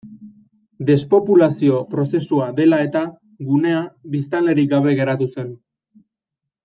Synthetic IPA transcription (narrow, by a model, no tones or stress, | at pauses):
d̪e̞spo̞pulasio̞pɾo̞se̞suaðe̞lae̞t̪a | ɣune̞aβist̪ale̞ɾik̚ɡaβe̞ɣe̞ɾat̪use̞n